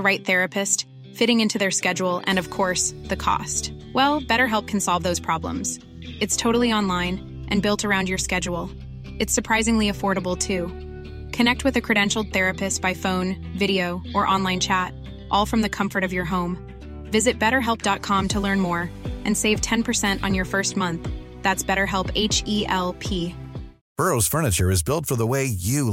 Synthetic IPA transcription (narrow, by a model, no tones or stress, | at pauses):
ɹaɪt̪̚θɛɹɨpʰɨst | fɪɾɪ̃ŋɪ̃ntʰʉðə˞skɛd͡ʒl̩ˠɨ̰̃nʌv̥kʰɔɹsðɨkʰɔ̰st | wɛlˠbɛɾə˞ɦɛlˠp̚kʰn̩sɑlˠvðoʊz̥pʰɹ̥ɑblə̰̃mz̥ | ɨtstʰoʊɾl̩ˠiɑ̃nlãɪ̃n | ʔɨ̃nbɪlˠtʰə˞ãʊ̃ndjə˞skɛd͡ʒul̩ˠ | ɨtsə˞pʰɹ̥aɪzɪ̃ŋliɨfɔɹɾəbl̩ˠtʰʉ | kʰɨnɛk̚t̚wɨðɨkʰɹ̥ɨɾɛ̃nʃl̩̚ˠθɛɹɨpɨstb̥aɪfõʊ̃n | vɪɾioʊʔə˞ʔɑ̃nlãɪ̃nt͡ʃʰæt̚ | ʔɔlˠfɹʌ̃mðɨkʰʌ̃ɱfə˞ɾʌvjə˞ɦõʊ̃m | vɪzɨt̚b̥ɛɾə˞ɦɛlˠp̚d̥ɑt̚kʰɑ̃mtʰəlɜ̃˞nmɔɹʔɨ̃nseɪv̥tʰɛ̃npʰə˞sɛ̃ntn̩jə˞fɜ˞st̚mʌ̃nθ | ðætsb̥ɛɾə˞ɦɛlˠpeɪt͡ʃiʔɛlˠpʰi | b̥ɜ˞oʊz̥fɜ˞nɨt͡ʃə˞ɨzbɪlˠtfə˞ðəweɪjɨ